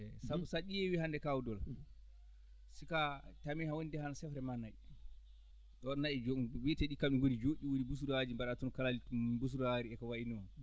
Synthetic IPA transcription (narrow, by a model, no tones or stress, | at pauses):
ɛsabusaɗijɛwihandɛkawudɔl | sikatamihawonidɛhanasɛfɾɛmana | ɔnːaɛd͡ʒwitɛɗikamiɡodid͡ʒoɗiwonibus̬uɾad͡ʒimbaɗatunkalalibus̬uɾaɾiɛkawainuman